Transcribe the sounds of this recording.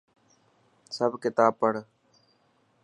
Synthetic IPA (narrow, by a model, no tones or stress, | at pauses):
səbkɪt̪aːpəɽ